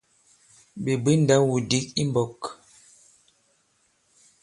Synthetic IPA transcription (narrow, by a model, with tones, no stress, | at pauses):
be˨bi˦n˦da˨˦wu˨di˦k̚i˦mbɔ˨k